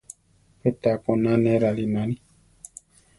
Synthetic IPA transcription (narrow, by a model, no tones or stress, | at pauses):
pet̪akonãnɛɾalinãnĩ